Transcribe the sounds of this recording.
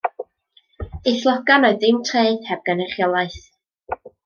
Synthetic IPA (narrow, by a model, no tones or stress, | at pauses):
eɬlˠɔɡanɔɨðɪmtʰreɨd̥hɛb̚ɡ̥anɛχjɔlˠaɨθ